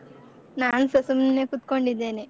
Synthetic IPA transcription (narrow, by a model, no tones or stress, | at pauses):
naːnusɐsumneːkut̪ːkoɳɖid̪ːeːni